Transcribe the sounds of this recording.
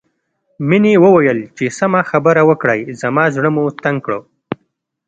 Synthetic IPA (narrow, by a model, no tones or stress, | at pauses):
minewəwajəlt͡ʃesamaxabəɾawəkɽajzamɑzɽəmut̪aŋɡkɽo